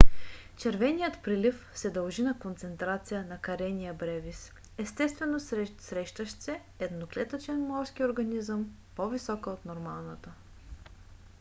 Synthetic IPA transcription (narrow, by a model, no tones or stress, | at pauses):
t͡ʃɛɾvɛnijət̪pɾilifsɛd̪əɐlˠʒinɐkont̪sɛnt̪ɾat̪sijənɐkɐɾɛnijəbɾɛvis | ɛst̪ɛst̪vɛnossɾɛʃt̪əʃt̪sɛ | ɛd̪noklɛt̪ət͡ʃɛnmɔɾskioɾɡɐnizəm | povisɔkəot̪noɾmalˠnət̪ə